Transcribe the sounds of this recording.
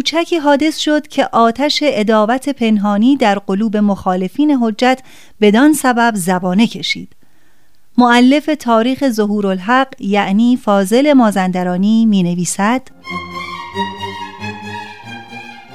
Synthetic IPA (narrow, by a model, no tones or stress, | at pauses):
kʰuːt͡ʃʰæcʰiːɦɒːd̪e̞sʃo̞d̪̥cʰe̞ʔɒːt̪ʰæʃe̞ʔed̪ɒːvæt̪ʰe̞pʰe̞nɦɒːniːd̪æɾɢo̞luːbe̞moxɒːle̞fiːne̞ɦo̞d͡ʒːæt̪ʰ | be̞d̪ɒnsæbæbzæbɒːne̞cʰe̞ʃḭːd̪̥ | moælːe̞fe̞t̪ʰɒːɾiːxe̞zoɦuːɾolɦæɢjæʔniːfɒːze̞le̞mɒːzænd̪æɾɒːniːmiːne̞viːsæd̪̥